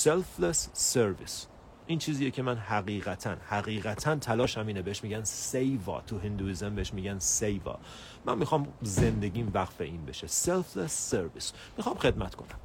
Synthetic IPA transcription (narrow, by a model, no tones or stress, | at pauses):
selflesːeɾvḭs | ʔiːnt͡ʃʰiːziːjecʰe̞mænhæɣiːʁæt̪ʰænhæɣiːɣæt̪ʰænt̪ʰælɒːʃæmiːnebeheʃmiːɟænsejvɒ̰ːt̪ʰuɦind̪uiːzembeeʃmiːɡɟænsejvɒ̰ | mæ̰nmːixɒːmze̞nd̪e̞ɟiːnvæqfe̞̰ʔiːnbe̞̰ʃeselflesːeɾvḭs | mixɒːmxe̞d̪mæt̪kʰo̞̰næm